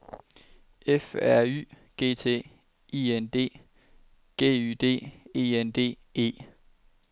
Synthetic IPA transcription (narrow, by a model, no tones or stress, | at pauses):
efæɐ̰y̰ː | ɡ̥e̝̰ːt͡sʰe̝̰ː | iend̥e̝̰ː | ɡ̥e̝̰ːy̰d̥e̝̰ːe̝̰ːend̥e̝̰ː | e̝̰ː